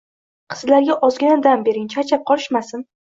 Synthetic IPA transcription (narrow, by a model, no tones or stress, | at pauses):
qʰɨ̥zlaɾɡʲaʔɒzɡʲanad̪anbe̞ɾɪnt͡ʃʰat͡ʃʰap̚qʰɒlˠɪʃmasɪn